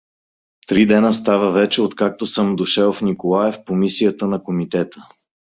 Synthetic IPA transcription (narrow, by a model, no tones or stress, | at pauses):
t̪ɾid̪ɛnəst̪avəvɛt͡ʃɛot̪kak̚t̪osɤmd̪oʃɛlˠfnikolˠaɛfpomisiət̪ənɐkomit̪ɛt̪ə